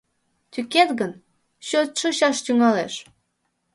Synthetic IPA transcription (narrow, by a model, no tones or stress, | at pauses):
t̪yket̪ɣən | ɕøt̪ʃɤ̆ɕɑʃt̪yŋɑleʃ